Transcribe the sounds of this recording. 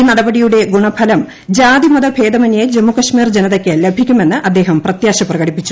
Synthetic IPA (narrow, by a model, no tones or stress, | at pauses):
inɐɽɐbɐɽijuɽe̞ɡuɳɐbʰʱɐlɐm | d͡ʑaːd̪imɐd̪ɐbʱe̞ːd̪ɐmɐnjed͡ʑemːukɐʂmiːrd͡ʑenɐðokʲːelebʱikʲːume̞nːɨʔɐd̪ːe̞ːɦɐmprɐt̪jaːɕɐprɐɣɐɽipːit͡ɕːu̥